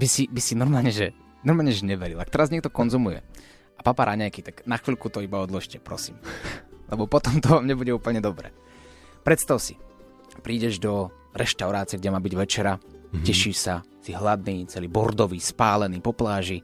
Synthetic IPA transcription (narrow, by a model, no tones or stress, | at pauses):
bisibisinɔɾmaːlɲɛʒɛ | nɔɾmaːlɲɛʒɛɲɛʋɛɾilakt̪ɛɾazɲɛk̚t̪ɔkɔnzumujɛ̰ | apapaɾʔaɲajkit̪aɡnaxʋiːlkut̪ɔibaɔd̪lɔʃcɛpɾɔ̰siːmlɛbɔpɔt̪ɔmt̪ɔʋaːmɲɛbuɟɛuːpl̩ɲɛd̪ɔbɾɛ̰ː | pɾɛt̪st̪aʊsi | pɾiːɟɛʒd̪ɔ | ɾɛʃt̪aʊɾaːt͡siɛɡ̚ɟɛmaːbiɟʋɛt͡ʃɛɾacɛʃiʃsa | siɦlad̪niːt͡sɛliːbɔɾd̪ɔʋiːspaːlɛniːpɔplaːʒi